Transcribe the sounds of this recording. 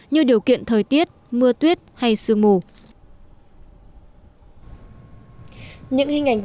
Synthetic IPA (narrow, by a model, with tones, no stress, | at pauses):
ɲɨ˧ɗi˨˩əwkḭ˧˨ənt̪ʰəː˨˩jt̪i˦˥ət̚mɨ˧ət̪wi˦˥ət̚ha˧jsɨ˧˩əŋmo˧˨˩ | ɲɨ̰˧˥ŋhï˧ŋ̟ʔa˨˩jŋ